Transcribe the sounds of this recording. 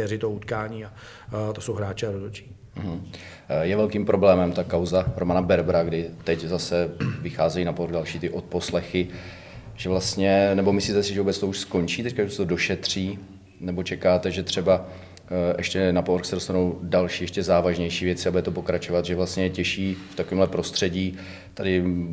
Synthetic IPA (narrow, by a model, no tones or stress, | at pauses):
ɛɾɪt̪out̪kaːɲiːa | t̪osowɦɾaːt͡ʃɪaɾot̪ot͡ʃi̥ː | m̩ɦm̩ | jɛvɛlkiːmpɾʔo̞blɛːmɛmt̪akawzaɾomanabɛɾbɾaɡdɪt̪ɛczasɛvɪxaːzɛjiːnapoɾɣdalʃiːt̪ɪʔo̞t̪̚po̞slɛxɪ | ʒ̥ɛvlast̪ɲɛnɛbo̞mɪsliːt̪ɛsɪʒɛvubɛt͡st̪o̞uʃsko̞ɲt͡ʃiːt̪ɛc̚kausɛ̥t̪odo̞ʃɛt̪r̝̥iː | nɛbot͡ʃɛkaːt̪ɛʒɛt̪r̝̥ɛba | ʔɛʃcɛnapoɾxsɛdo̞st̪anowdalʃiːjɛʃcɛzaːvaʒɲɛjʃiːvjɛt͡sɪabudɛt̪opo̞kɾat͡ʃo̞vat̪ʒɛvlast̪ɲɛjɛcɛʃiːft̪akoviːmɦlɛpɾo̞st̪r̥ɛɟiː | t̪adɪ